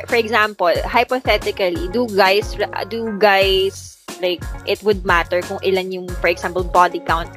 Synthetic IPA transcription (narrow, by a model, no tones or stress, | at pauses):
fɔɹɛɡsampɐlhɐjpoθɛt̪ɪkɐlid̪uɡajsɹʔd̪uɡajs | lajk̚ʔɪt̪wʊd̪̚mat̪ɛɹkʊŋʔɪlanjʊŋfɔɹɛɡsãmpɛlbɔd̪ɪkawnt̪̚